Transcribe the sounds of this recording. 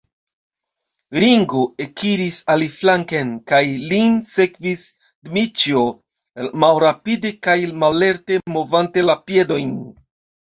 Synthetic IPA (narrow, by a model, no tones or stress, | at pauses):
ɾiŋɡoe̞kʰiɾisaliflaŋkenkajlinse̞kvis | dmit͡ʃio | malɾapide̞kajmale̞ɾte̞mo̞vante̞lapje̞do̞jn